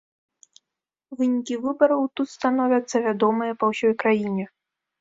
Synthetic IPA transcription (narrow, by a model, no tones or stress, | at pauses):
vɨnʲikʲivɨbɐɾɐwt̪ut̪st̪anɔvʲɐt̪sːɐvʲad̪ɔmɨjɐpɐwsʲɔjkɾajinʲɛ